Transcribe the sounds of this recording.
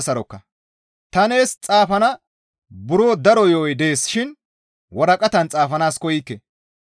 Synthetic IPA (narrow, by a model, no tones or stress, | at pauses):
sɐɾɔkːɐ | t̪ɐneːst͡sʼaːfɐnɐ | bʊɾoːd̪ɐɾɔjoːjd̪e̞ːsʃɪn | wɔɾɐkʼɐt̪ɐnt͡sʼaːfɐnaːskɔjikːɛ